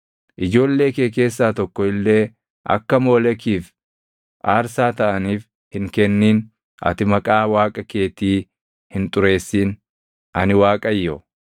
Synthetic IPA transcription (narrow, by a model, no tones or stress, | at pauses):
ʔɪd͡ʒo̞ːlːe̞ːkeːke̞ːs̬ːaːt̪ɔkːɔɪlːe̞ː | ʔɐ̰kːɐmo̞ːlɛkiːf | ʔaːɾsaːt̪ɐʔɐniːf | hɪŋkɛnːiːn | ʔɐ̰t̪ɪmɐkʼaːwaːkʼɐke̞ːt̪iː | hɪnt̪ʼʊɾe̞ːsːiːn | ʔɐnɪwaːkʼɐjːɔ